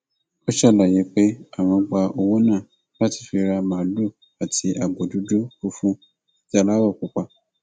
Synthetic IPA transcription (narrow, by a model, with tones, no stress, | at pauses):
o˦ʃɛ˦˨la˨je˨˦k͡pe˦a˦˨w̃ɔ̃˧ɡ͡ba˧o˧wo˦nãː˦˨ | la˦ti̥˨˧˨fi˧ɾa˧mãː˨˦lo˦˨ | a˨tʰi˧ʔa˨bo˨du˨˦do˦fu˦fũ˦ | ti˦a˧˨la˦wɔ˦˨k͡pu˨˦k͡pa˧˨